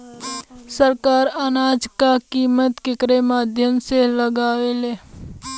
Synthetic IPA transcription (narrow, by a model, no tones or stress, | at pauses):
səɾkaːɾanaːd͡ʒkakiːmət̪kekɾemaːd̪ʱjəmseləɡaːʋele